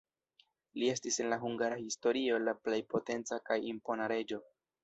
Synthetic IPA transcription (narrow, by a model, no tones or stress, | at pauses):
lie̞stise̞nlaɦuŋɡaɾahisto̞ɾio̞laple̞jpo̞te̞nt͡sakajimpo̞naɾe̞d͡ʒo̞